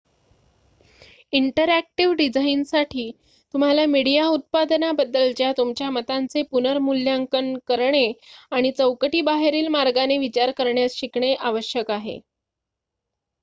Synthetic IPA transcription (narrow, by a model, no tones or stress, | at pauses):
iɳʈəɾæk̚ʈiʋɖid͡ʑainsaʈʰiː | t̪um̤alamiɽijaut̪̚pad̪nabəd̪ːəlt͡ɕjat̪umt͡ɕjamət̪ant͡sepunəɾmuljaŋkəɳkəɾɳeaɽ̃it͡səwkəʈiːbaɦeɾiːlmaɾɡaneʋit͡ɕaɾkəɾɳjasɕikɳeʔaʋəɕjəkaɦḛ